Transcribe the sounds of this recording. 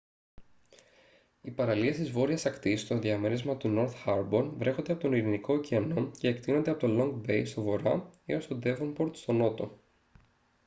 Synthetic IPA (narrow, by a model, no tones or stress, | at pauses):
ipɐɾɐliest̪izvo̞ɾiɐsɐkt̪ist̪o̞nðiɐmeɾizmɐt̪uno̞ɾθxɐɾbo̞nvɾe̞xo̞nd̪eɐpo̞t̪oniɾiniko̞ciɐno̞ce̞ːkt̪ino̞nd̪eɐpo̞t̪o̞lo̞ŋɡbe̞jst̪o̞vo̞ɾɐio̞st̪o̞d̪e̞vonpo̞ɾt̪st̪o̞no̞t̪o̰